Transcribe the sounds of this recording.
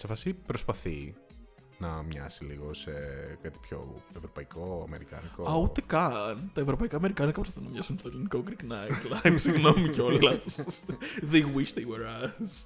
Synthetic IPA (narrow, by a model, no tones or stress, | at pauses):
sefɐsipɾospɐθi | nɐmɲɐ̰siliɣo̞sekɐt̪i̥pço̞̰evɾo̞pɐikoɐ̰me̞ɾikɐ̰nikoɐut̪ekɐnt̪ɐevɾopɐikaːme̞ɾikɐnɐkɐpɾs̬pɐ̥θinɐmɲɐsunst̪ɐlinikokɾiknɐlɐpsiɣnomiceolɐt̪s | ðewiʃðeweɾɐs